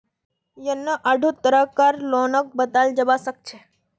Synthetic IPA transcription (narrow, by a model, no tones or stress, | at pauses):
jənːəʔaɖʱut̪əɾəkːaɾlonək̚bət̪ald͡ʒəbasək̚t͡ʃʰe